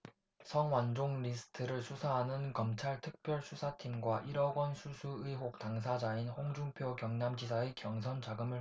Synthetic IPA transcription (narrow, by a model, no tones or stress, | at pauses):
sʰʌŋwand͡ʑoŋɾisʰɯ̥tʰɯɾɯɭsʰusʰaɦanɯnkʌmt͡ɕʰaɭtʰɯk̚p͈jʌɭsʰusʰatʰimɡwaʔiɾʌɡwʌnsʰusʰuɯiɦok̚taŋsʰad͡ʑainhoŋd͡ʑuŋpʰjokjʌŋnamd͡ʑisʰaekjʌŋsʰʌnd͡ʑaɡɯmɯ